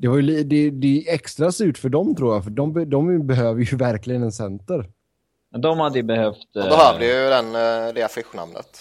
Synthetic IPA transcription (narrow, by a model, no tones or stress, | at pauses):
d̪̥ɛvaɾjɵlid̪ɛd̪ɛɛkst̪ɾasʉ̟ːʈfœɖɔmt̪ʰɾuːjafœɖɔmbɛdɔmbɛɦøːvəɾjɵvæɾklɪɡənɛnsɛnt̪əɾ | mɛnd̪ɔmhad̪əjəbɛhœft̪bɛɦøːvd̪əjd̪ɛnɾeːafɪɧːʊna̰mnə̰t̪